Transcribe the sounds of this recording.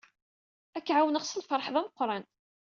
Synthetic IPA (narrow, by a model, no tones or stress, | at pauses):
ækːʕawənəʁsəlfəɾˤħðˤæməqːɾˤɑn